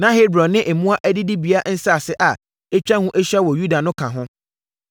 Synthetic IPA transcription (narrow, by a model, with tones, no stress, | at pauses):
nã˦ɦe˦bɾɔ̃˨nːɪ̃˦ʔɛ˨mũ˦a˦ʔæ˦dɪ˦di˦bi˨a˦n̩˦sa˦a˨sɪ˦ʔa˨ | ɛ˦t͡ɕᶣã˦hũ˦ʔɛ˦ɕᶣɛ˦wɔ˨ju˦da˨nʊ̃˦kʰã˨ɦʊ̃˦